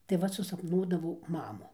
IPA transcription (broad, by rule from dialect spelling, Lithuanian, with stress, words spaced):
tɐɪ ˈʋɐt sʊsɐpˈnuɔdɐʋɐʊ ˈmɑːmuː